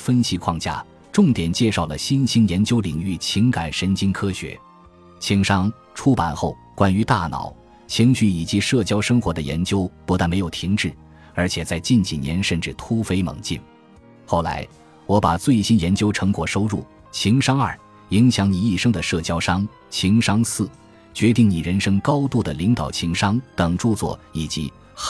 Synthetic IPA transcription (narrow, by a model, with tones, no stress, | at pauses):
fə˥nɕi˧˥kʰwɑ˥˧ŋt͡ɕja̰˥˩ | ʈ͡ʂʊ˥˩ŋt̪jɛ˨˩nt͡ɕjɛ˥˧ʂɑ˥˩ʊlə˩ɕi˥nɕi˥njɛ˧˥nt͡ɕjo˥ʊli˨˩ŋy˥˩t͡ɕʰi˧˥ŋka˨˩ɪʂə˧˥nt͡ɕi˥nkʰɤ˥ɕɥɛ̰˧˥ | t͡ɕʰi˧˥ŋʂɑ˥ŋ | ʈ͡ʂʰu˥pa̰˨˩nxo˥˩ʊkwa˥ny˧˥t̪a˥˩nɑ̰˨˩˦ʊ | t͡ɕʰi˧˥ŋt͡ɕy˥˩i˨˩t͡ɕi˧˥ʂɤ˥˩t͡ɕjɑ˥ʊʂɤ˥ŋxwɔ˧˥d̪ə˧jɛ̰˧˥nt͡ɕjo˥ʊpu˧˥a˥˩nme˧˥ɪjo˨˩ʊt̪ʰi˧˥ŋʈ͡ʂɻ̩˥˩ | ə˞˧˥t͡ɕʰjɛ˨˩t͡sa˥˧ɪt͡ɕi˥˩nt͡ɕi˨˩njɛ̰˧˥nʂə˥˧nʈ͡ʂɻ̩˥˩t̪ʰu˥fe˥ɪmɤ̰˨˩ŋt͡ɕḭ˥˩n | xo˥˩ʊla̰˧˥ɪ | wɔ˧˥pa̰˨˩t͡swe˥˩ɪɕi˥njɛ˧˥nt͡ɕjo˥ʊʈ͡ʂʰɤ˧˥ŋkwɔ˨˩ʂo˥ʊɻu˥˩ | t͡ɕʰi˧˥ŋʂɑ˥ŋɐ˞˥˩ | i˧˥ŋɕjɑ˧˥ŋni˨˩i˥˩ʂɤ˥ŋd̪ə˨ʂɤ˥˩t͡ɕjɑ˥ʊʂɑ˥ŋ | t͡ɕʰi˧˥ŋʂɑ˥ŋsɹ̩˥˩ | t͡ɕɥɛ˧˥t̪i˥˩ŋni˨˩ɻə˧˥nʂɤ˥ŋkɑ˥ʊt̪u˥˩d̪ə˩li˧˥ŋt̪ɑ˨˩ʊt͡ɕʰi˧˥ŋʂɑ˥ŋt̪ɤ˨˩ŋʈ͡ʂu˥˧t͡swɔ̰˥˩i˨˩t͡ɕi˧˥